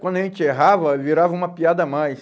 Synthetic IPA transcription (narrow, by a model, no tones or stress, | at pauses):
kwɐ̃nd̪ɐʒẽt͡ʃɪeɦavɐviɾavɐũmɐpiad̪ɐmajs